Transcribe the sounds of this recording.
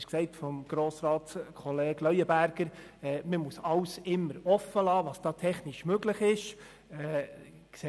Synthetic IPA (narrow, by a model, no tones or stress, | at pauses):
ʃksɛɪtfɔmɡ̥ɾoːsɾɑːtskʰɔleːɡ̥lœʏəbæɾɡ̥əɾ | ɛməmusɑwsɪmːəɾɔfːəlɑːʋɑːsd̥ɑːtʰɛχnɪʃmøɡləχɪʃ | ɛ | kse